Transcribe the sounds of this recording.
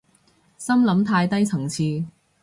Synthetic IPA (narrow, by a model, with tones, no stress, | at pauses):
sɐ˥mlɐ˨˥mt̪ʰaː˧jt̪ɐ˥jt͡sʰɐ˨˩ŋt͡sʰiː˧